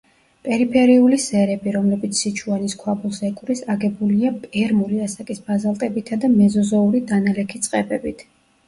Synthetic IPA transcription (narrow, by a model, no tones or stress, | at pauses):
pʼɛɾipʰɛɾiulisɛɾɛbiɾɔmlɛbit̪sʰsit͡ʃʰuaniskʰwabulˠsɛkʼɾisaɡɛbuliapʼɛɾmuliasakʼisb̥azalˠt̪ʼɛbit̪ʰad̪amɛzɔzɔuɾid̪analɛkʰit̪sʼqʼɛbɛbit̪ʰ